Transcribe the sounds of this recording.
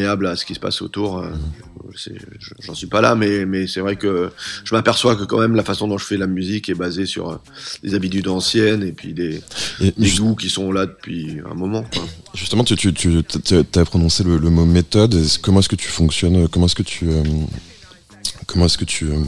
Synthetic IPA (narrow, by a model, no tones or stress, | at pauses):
ablasə̥kʲisə̥pa̰so̰t̪uʁø̰wḭsɛ̰ʒəʒɑ̃sɥipala̰mɛmɛsɛvʁɛkəʒ̥əmapɛʁswakəkɑ̃mɛmlafasɔ̃d̪ɔ̃ʒəfɛlamyzikɛbazesy̰ʁø̰lḛzabit̪̬yd̪ɑ̃sjɛnepɥid̪eed̪ed̪ukʲisɔ̃lad̪əpɥiɛ̰̃mɔmɑ̃kwaʒyst̪əmɑ̃t̪yt̪yt̪ʰyt̪t̪yat̪yapχɔnɔ̃selələmomet̪ɔd̪kːɔmɑ̃ɛskət̪ʰy̥fɔ̃ksjɔnøkɔmɑ̃ɛskət̪ʰyø | kɔmɑ̃ɛskət̪ʰyø